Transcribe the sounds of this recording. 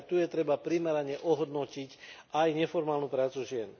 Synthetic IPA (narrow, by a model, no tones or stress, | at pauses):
t̪ujɛt̪ɾɛbapɾimɛɾaɲɛʔɔɦɔd̪nɔcicʔajɲɛfɔɾmaːlnupɾaːt͡suʒɪɛn